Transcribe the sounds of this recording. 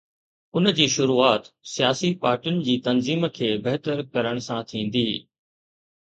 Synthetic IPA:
ʊnd͡ʑiːʃʊɾuːaːt̪sijaːsipaːɾʈiʊnɪ̆d͡ʑiːt̪ɐnziːmkʰeːbeɦt̪əɾkɐɾəɽ̃ʊsãt̪ʰĩːn̆d̪iː

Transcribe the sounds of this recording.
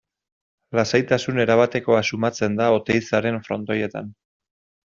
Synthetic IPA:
lasajt̪asune̞ɾaβ̞at̪e̞ko̞asumat͡se̞nd̪ao̞t̪e̞jt͡saɾe̞ɱfɾo̞nt̪o̞je̞t̪an

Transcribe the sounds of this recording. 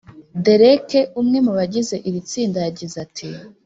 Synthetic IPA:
de̞ɾekeʔumŋe̞muβaɟize̞ʔiɾit͡siːndajaɟizatʰi

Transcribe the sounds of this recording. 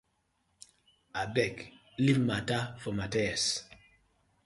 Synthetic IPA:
abɛk | limmatafɔmatɛɛs

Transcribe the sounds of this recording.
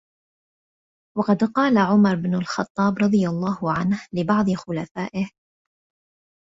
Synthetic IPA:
wɑqɑd̪qɑːlaʕʊmɑɾˤɪbnʊlxɑt̪ˤːɑːbɾˤɑd̪ˤɨɪjɑlˤːɑːhʊʕanhlɪbɑʕd̪ˤɨxʊlafaːʔɪh

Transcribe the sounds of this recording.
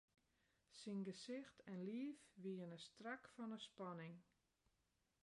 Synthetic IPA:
sinɡəsɪxtʰɛnliəfʋiənəstrakfɔnəspɑnɪŋ

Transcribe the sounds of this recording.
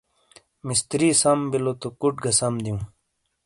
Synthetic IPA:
mist̪ɾiːsɐmbilot̪okuʈɡɐsɐmd̪iũ

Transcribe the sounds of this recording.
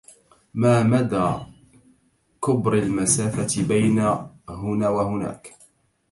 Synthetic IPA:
maːmad̪aː | kʊbɾalmasaːfat̪ɪbajna | ɦʊnaːwahʊna̰ːk

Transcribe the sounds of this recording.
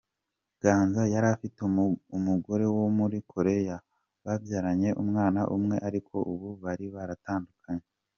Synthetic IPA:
ɡ̥aːnzajaɾafitumuɡo̞ɾe̞womuɾikʰo̞ɾe̞ja | βavjaɾaɲe̞ʔumŋaːnaʔumŋe̞ʔaɾikʰo̞ʔuβuβaɾiβaɾataːndukʰaɲe

